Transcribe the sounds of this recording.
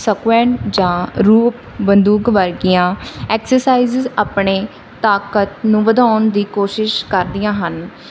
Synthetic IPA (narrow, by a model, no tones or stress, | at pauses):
səkwɛ̃ːɳʈd͡ʒãːɾuːp | bənd̪uːkʋəɾɡɪjãːɛːksəɾsaːiːzzaːpɳeː | t̪aːkət̪nũːʋəd̪aːnd̪iːkoːʃɪʃkəɾd̪ɪjãːɦən